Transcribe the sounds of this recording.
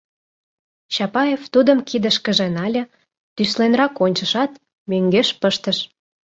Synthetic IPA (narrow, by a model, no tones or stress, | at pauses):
t͡ɕɑpɑjeft̪ud̪əmkid̪əʃkəʒenɑlʲə̆ | t̪yslenrɑkonʲt͡ɕə̆ʃɑt̪ | møŋɡeʃpəʃt̪əʃ